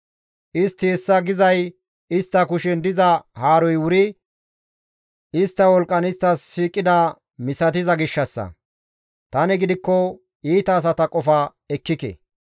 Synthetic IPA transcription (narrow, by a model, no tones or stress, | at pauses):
ʔɪst̪ːɪɛsːɐɡɪzɐj | ɪst̪ːɐkʊʃɛnd̪ɪzɐhaːɾɔjwʊɾɪ | ɪst̪ːɐwɔlkʼːɐnɪst̪ːɐsːiːkʼːɪd̪ɐ | mɪsɐt̪̬ɪzɐɡɪʃːɐsːɐ̰ | t̪ɐnɛɡɪd̪ɪkːɔ | iːt̪ɐːs̬ɐt̪ɐkʼɔfɐ | ɛkːɪkɛ̰